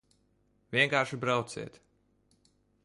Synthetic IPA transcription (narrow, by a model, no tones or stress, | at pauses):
vʲiɛŋkaːɾʃibɾawt̪sḭɛt̪